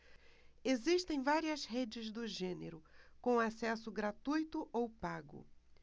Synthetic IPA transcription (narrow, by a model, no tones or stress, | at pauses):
eziʃt̪ẽj̃vaɾiɐshed͡ʒɪzd̪ʊʒẽneɾʊkõasɛsʊɡɾat̪ujt̪ʊʔowpaɡʊ̰